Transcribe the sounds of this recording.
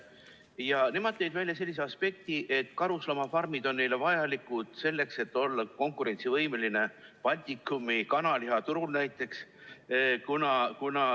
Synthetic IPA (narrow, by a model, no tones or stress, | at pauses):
jɑne̞mɑd̪̥̚t̪ːejd̪vælʲjɑse̞lʲːis̬e̞ɑspe̞k̚t̪iʔe̞t̪ːˑkɑɾuslɑmɑfɑrmid̪̥o̞nːe̞jle̞vɑjɑlikːˑud̪̥se̞lːe̞kse̞t̪ːˑo̞lːɑko̞ŋkuɾe̞nʲt̪sivɤjme̞line̞pɑlʲt̪ʲikːˑumikɑnɑliɦɑt̪uɾulnæjt̪ːˑe̞ks | kunɑkunɑ